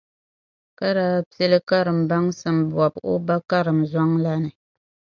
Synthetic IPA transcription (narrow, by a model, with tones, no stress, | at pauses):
ka˦ɾaː˦pi˦e˦lɨ˦ka˦ɾɨ˨m̩˨ba˦ŋsɨ˦mbɔ˨bo˦ba˦ka˦ɾɨ˨mza˦ŋla˦nɨ˨